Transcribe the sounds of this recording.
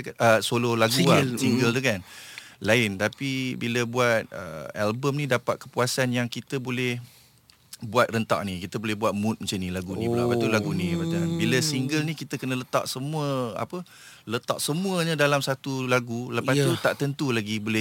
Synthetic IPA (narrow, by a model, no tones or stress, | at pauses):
kəsololaɡuasiŋɡəlt̪ukanlaɪnt̪apibiləbuat̪̚ə̰albəmnĩdapat̪̚kə̥puasanjaŋkit̪əbolɛh | buat̪̚rənt̪a̰ʔnikit̪əbolɛhbuat̪̚mut̪̚mat͡ʃanĩlaɡunĩblapat̪ulaɡunibat̪ambiləsiŋɡəlnikit̪əkənələt̪a̰ʔsəmuəa̰pə | lət̪a̰ʔsəmuəɲadalamsat̪ulaɡuləpast̪ut̪aʔt̪ənt̪ulaɡibolɛ